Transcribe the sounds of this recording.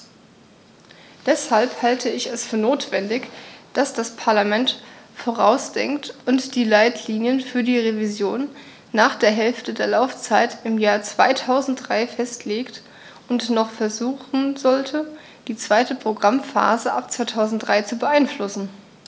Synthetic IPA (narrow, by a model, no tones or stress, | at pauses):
d̥ɛshalphaltʰəɪçɛsfyːɐnoːtv̥ɛndɪçd̥asd̥aspʰaɐlamɛntfoːʁ̞a̰ʊsd̥ɛ̰ŋktʊntd̥iːlaɪtʰliːnjənfyːɐdiːʁevizjoːnː | aːχd̥eːɐɦɛlftədeːɐlaʊft͡saɪtɪmjaːɐt͡sv̥a̰ɪtʰaʊzn̩t̚d̥ʁaɪfɛstʰleːkt | ʔʊntnɔχfɛɐzuːχn̩zɔltʰə | d̥iːt͡sv̥aɪtəpʁ̥oɡʁamfa̰ːzəʔap̚t͡sv̥aɪtʰaʊzn̩t̚d̥ʁaɪt͡subəʔaɪnflʊsn̩